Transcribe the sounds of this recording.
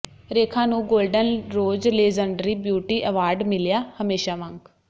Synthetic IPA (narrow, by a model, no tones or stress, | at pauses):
ɾeːkʰãːnũːɡoːlɖənɾoːd͡ʒleːd͡ʒəɳɖəɾiːbjuːʈiːʔəːʋaːɾɖmɪljaːhəmeːʃaːʋə̃ŋk